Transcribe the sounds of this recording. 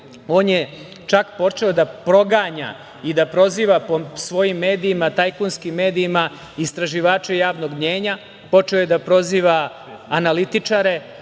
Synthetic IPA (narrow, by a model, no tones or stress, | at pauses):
o̞ːnje | t͡ʃakpo̞t͡ʂe̞od̪apɾo̞ɡaːɲa̰ | id̪apɾo̞ziːʋaposʋo̞jimːe̞ːd̪iimat̪ajkunskimːe̞ːd̪iːma | ist̪ɾaʒiʋaːt͡ʃejaːʋno̞ɡmɲeːɲa | po̞t͡ʂe̞ojed̪apɾo̞ziːʋa | analit̪it͡ʂaɾe̞